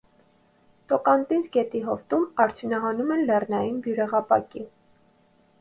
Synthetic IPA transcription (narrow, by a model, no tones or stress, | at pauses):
t̪ɔkɑnt̪insɡɛt̪iɦɔft̪umɑɾt͡sʰjunɑɦɑnumɛnlɛrnɑjinbjuɾɛʁɑpɑ̰ki